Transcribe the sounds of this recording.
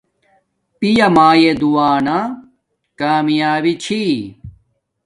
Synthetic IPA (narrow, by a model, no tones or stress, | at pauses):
pijɐmaːjed̪uwaːna | kaːmijaːwit͡ɕʰi